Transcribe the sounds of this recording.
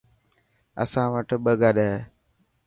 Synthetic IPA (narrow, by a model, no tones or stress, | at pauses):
ə̰sãːʋəʈɓəɡaːɗəɦ